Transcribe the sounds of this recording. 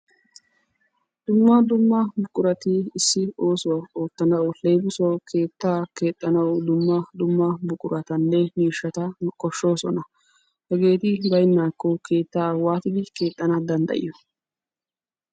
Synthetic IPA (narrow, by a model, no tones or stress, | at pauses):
d̪̥ʊmːɐd̪ʊmːɐbʊkʼʊɾɐt̪ɪɪsːɪo̞ːsɔwɐo̞ːt̪ːɐnɐwʊlejbʊsɔkʰe̞ːt̪ːaːke̞ːt̪ʼːɐnɐwd̪ʊmːɐd̪ʊmːɐbʊkʼʊɾɐt̪ɐnːɛniːʃːɐt̪ɐkʼɔʃːo̞ːsɔnɐ | hɛɡe̞ːt̪ɪbɐjnːaːkːɔkʰe̞ːt̪ːaːwaːt̪ɪd̪ɪke̞ːt̪ʼːɐnɐd̪ɐnd̪ɐ̰ʔɪ̰jɔ